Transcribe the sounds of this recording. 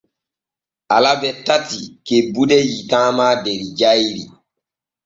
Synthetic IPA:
alabɛtatikebudɛjitãːmaːdeɾid͡ʒajɾḭ

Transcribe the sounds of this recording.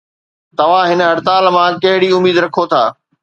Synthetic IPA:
t̪ɐʋ̤ãɦɪnəɦɐɽt̪aːlmãkɐɦɪɽiʊmiːd̪ɾɐkʰot̪ʰa̰ː

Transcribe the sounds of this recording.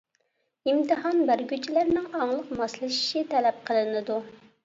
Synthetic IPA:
imt̪ɨɦɑnbæɾɡʲyt͡ʃʰilæɾnɪŋɑŋlˠəqmɑslˠɨʃi̥ʃit̪ʰɛlɛp̚qʰəlˠɨnɨd̪u

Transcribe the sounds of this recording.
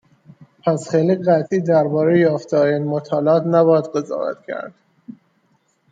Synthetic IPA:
pʰæsχejliɢæt̪ʰiːd̪æɾbɒːɾejjɒːft̪ʰɒːɾeiːnmot̪ʰɒːleɒːt̪næbɒːjæd̪ɢe̞zɒ̰ːvæ̰t̪cʰæ̰ɾd̪̥

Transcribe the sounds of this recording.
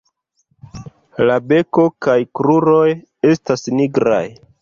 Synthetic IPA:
labe̞ko̞kajkɾuɾo̞j | e̞stasniɡɾa̰j

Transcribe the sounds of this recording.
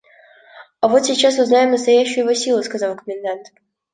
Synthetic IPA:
ɐvo̞t̪sʲɪt͡ɕːasʊznajɪmnəst̪ɐjæɕːʊjʊvosʲilˠʊskɐzɑlˠkəmʲɪnd̪ant̪

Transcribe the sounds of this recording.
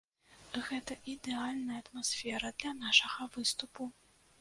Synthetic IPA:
ɣɛt̪ɐʔid̪ɛalʲnɐjɐɐt̪masfʲɛɾɐd̪lʲɐn̪aʂɐɣɐvɨst̪upu

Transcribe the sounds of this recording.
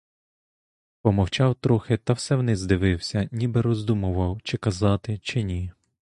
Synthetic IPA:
pɔmɔwt͡ʃɑwt̪ɾɔxɪt̪ɐwsɛwnɪzd̪ɪʋɪwsʲɐnʲibɛɾɔzd̪umʊʋɐwt͡ʃɪkɐzɑt̪ɪt͡ʃɪnʲi

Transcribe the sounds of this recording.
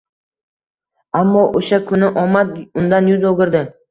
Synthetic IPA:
amːɒʔoʃakʰʊnɪʔɒmad̪ʊnd̪anjʊzoɡʲɪɾd̪ɪ

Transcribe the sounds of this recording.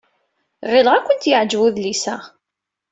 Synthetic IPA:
ʁɪlʁækʷːənt̪jəʕd͡ʒwuðlisæ

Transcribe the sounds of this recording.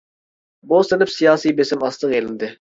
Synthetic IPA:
bost̪ɪlɪpsijɑːsijbesɪmɑst̪əqelɪnd̪ɪ

